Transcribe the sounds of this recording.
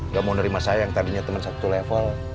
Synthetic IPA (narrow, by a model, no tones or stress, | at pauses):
ŋɡaʔmaunəɾimasajaŋt̪adiɲat̪əmənsat̪ulɛfəl